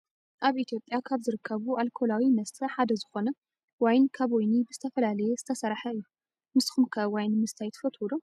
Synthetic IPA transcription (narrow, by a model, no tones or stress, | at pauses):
ʔaβʔit̪ʰijo̞pʼjakʰaβzɨɾɨkʰːɐβualkʰo̞lawinɐst̪ʰɐħad̪ɐzɨxo̞nɐ | wajnkʰaβojnibɨzɨt̪ʰɐfɐlalɐjɛzɨt̪ʰɐsɐɾħɐɨjːu | mɨsxumkʰɐwajnmɨst̪ʰajt̪ʰɨ̥fɐt̪ʰwulo